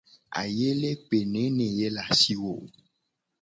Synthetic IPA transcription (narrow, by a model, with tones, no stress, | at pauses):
a̰˨je˦le˦pe˨nẽ˨˦nẽ˨je˦la˨si˦wo˨